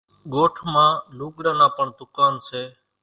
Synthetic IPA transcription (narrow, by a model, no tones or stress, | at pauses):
ɠoːʈʰmãːluːkɽaːnãːpəɳd̪ʊkaːnseː